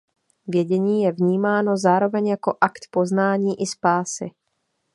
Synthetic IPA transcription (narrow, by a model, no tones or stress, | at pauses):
vjɛɟɛɲiːjɛvɲiːmaːno̞zaːɾo̞vɛɲjako̞ʔakt̪po̞znaːɲiːʔɪspaːsɪ̰